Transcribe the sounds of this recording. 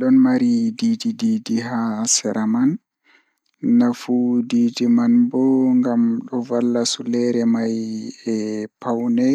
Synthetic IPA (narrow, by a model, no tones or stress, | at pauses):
ɗɔnmaɾididididiɦasɛɾʔaman | afudiːdimanbɔŋɡamɗɔvalːasulɛɾɛmajɛpawnɛ